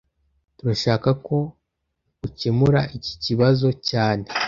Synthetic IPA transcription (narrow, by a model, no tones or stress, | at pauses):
tuɾaʃaːkako̞ | ucimuɾaʔici̥ciβazo̞caːne